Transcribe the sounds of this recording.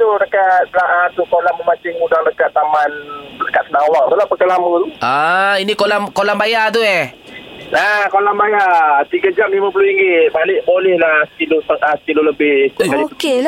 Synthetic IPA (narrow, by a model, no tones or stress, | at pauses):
t̪udəkat̪̚laʔat̪ukolaməmat͡ʃɪŋudaŋdəkat̪ːamanləkat̪sənaŋowaŋ̚t̪ulahpəkalamut̪uʔainikolamkolambajat̪̬uɛ | nakolambajat̪iɡad͡ʒamlimap̬uloiŋɡɪt̪̚balɪʔbolɛhlahst̪ilot̪əŋʔasət̪iloləbɪsdakadike